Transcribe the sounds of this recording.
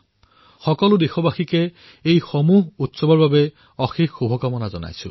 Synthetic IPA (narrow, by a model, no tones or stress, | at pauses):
xɔkɔlud̪exɔbaxike | ejxɔmuɦut̪sɔbɔɹbabe | ɔxikʰxubʱɔkamɔnad͡ʒɔna̰jt͡ʃʰṵ